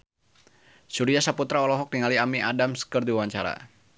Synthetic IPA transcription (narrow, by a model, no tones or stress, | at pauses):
suɾiasaput̪ɾaɔlɔɦɔk̚diŋaliamiʔadamsə̥kərdiawaɲt͡ʃaɾa̰